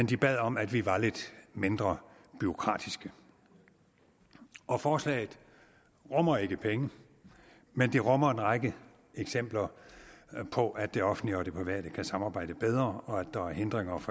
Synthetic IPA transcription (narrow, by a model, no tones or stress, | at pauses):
end̥ib̥ɛð̞̰ˠɒ̽mæd̥ʋiʋɑ̈le̝d̥mend̥ʁɐb̥yo̝kʰʁɑ̰̈ːd̥isɡ̥ə | ʔɒ̽fɒːslɛ̰ːɪð̩ˠ | ʁɔmɐe̝ɡ̥əpʰeŋə | mend̥eʁɔmɐenʁɑɡ̥ə | eɡ̥sem̰b̥lɐ | pʰɒ̽ʔæ̥d̥e̝ɒ̽fn̩liɒ̽d̥e̝pʰiʋæ̰ɐ̰ɾ̥əkʰæsɑ̈mɑ̈ːb̥ɑ̈ɪ̰d̥əb̥eð̞ˠʁɐɒ̽æd̥ːɑ̈æɐɦe̝nd̥ʁeŋɐf